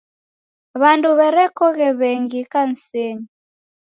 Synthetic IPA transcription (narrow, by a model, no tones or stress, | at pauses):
βanduβɛɾɛkɔɣɛβɛŋɡikan̩seɲi